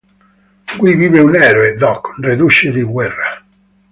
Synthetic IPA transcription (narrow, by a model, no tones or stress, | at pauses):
kwiviːveunɛːɾoed̪ɔkːnred̪uʃed̪iɡwɛrːa